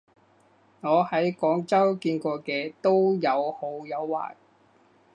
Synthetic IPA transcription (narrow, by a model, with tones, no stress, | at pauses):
ŋɔː˨˧hɐ˨˥jkɔː˨˥ŋt͡sɐ˥wkiː˧nkɔː˧kɛː˧t̪o˥wjɐ˨˧who˨˥wjɐ˨˧wːa̰ː˨˩n